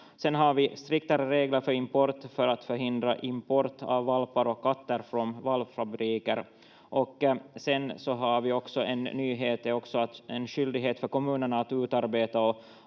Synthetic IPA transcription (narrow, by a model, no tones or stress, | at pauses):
sɛnɦaɾvɪst̪ɾɪk̚t̪aɾəɾeːɡləɾfœɾɪmpɔɾt̪fœɾat̪fœɾɦɪnd̪ɾa̰ʔɪmpɔɾt̪ʰa̰vːalpaɾɔkʰːat̪ːəɾfɾɔnvalvfabɾiːkəɾ | ʔɔksɛnsɔɦaɾvɪɔksɔʔɛnːyːɦeːt̪ɛɔksɔat̪ɛnɕʏld̪ɪɡɦeːt̪fœɾkɔmʉ̟ːnəɳaːt̪ʉːt̪aɾbeːt̪aɔ